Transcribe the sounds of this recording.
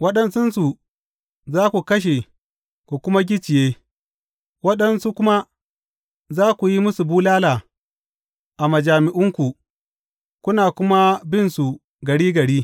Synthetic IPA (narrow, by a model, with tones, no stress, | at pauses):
wɐ˦ɗɐ˦nsʊ˦nsu˨ | zaː˦kʷu˨kɐ˦ʃ̬e˨ | kʷu˨kʷʊ˦ma˦ɡʲɪ˦t͡ʃɪ˨jeː˦ | wɐ˦ɗɐ˨nsu˦kʷʊ˦ma˦ | zaː˦kʷu˨ji˦mʊ˦su˨buː˦laː˦laː˨ | ʔa˨ma˨d͡ʒaː˨mɪ˨ʔʊ˦ŋkʷu˨ | kʷʊ˦naː˨kʷʊ˦ma˦bɪ˦˨nsu˨ | ɡɐ˨ɽiː˦ɡɐ˨ɽiː˦